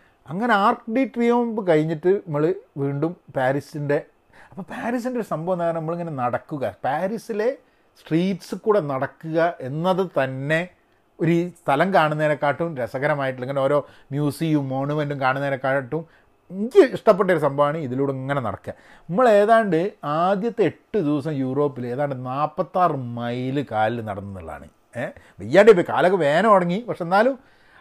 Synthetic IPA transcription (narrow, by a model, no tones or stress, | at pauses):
ɐŋːɐne̞aːrkɖiʈriɐmmbɨkɐɻiɲːiʈːɨɐmːɐɭʋiːɳɖumpaːɾisinde̞ | ɐpːɐːpaːɾis̬indeo̞ɾusɐmbʱɐʋnːaːjɐnnɐmːɐɭiŋːɐne̞nɐɽɐkːuɣɐpaːɾisile̞ | sʈriːʈːsɨkuːɽe̞nɐɽɐkːuɣɐʔe̞nːɐðɨt̪ɐnːe̞ | oɾust̪ʰɐlɐmkaːɳunːeːɾekːaːʈːumɾesɐɣɐɾɐmaːjiʈ̬ːleŋɡilo̞ːɾo̞ːmjuːsijumːo̞ːɳumenɖumkaːɳunːeɾekːaːʈɐʈːum | iŋikʲːɨiʂʈɐp̬ːeʈːɐoɾusɐmbʱɐʋaːɳɨiðiluːɽɐɐŋːɐne̞nɐ̰ɽɐ̰kːɨɣɐ | nimːɐɭe̞ːðaːɳɖɨaːd̪jɐt̪ːe̞eʈːɨd̪iʋɐsɐmjuːro̞ːpːileːðaːɳɖɨnaːpːɐt̪ːaːrmɐjlɨkaːlilnɐ̰ɽɐnːɐnːḭɭːa̰ːɳɨ̰ | ʋejːaːɳɖeip̬ːoka̰ːlokːeʋe̞ːnɐmɐɽɐŋːipɐkʂeenːaːlum